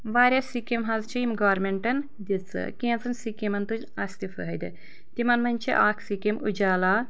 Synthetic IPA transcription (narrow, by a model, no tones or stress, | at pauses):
ʋaːɾʲjasikimɦɐzt͡ʃʰiimɡaːɾmeɳʈɐn | d̪ʲit͡sɨ̰kẽːnt͡sɨnsikimɐnt̪ud͡ʒɐsʲt̪ifɨ̰ɦɐjd̪ɨ | t̪imɐnmɐnʲt͡ʃʰḭʔaːkʰsikimʔṵd͡ʒaːlaː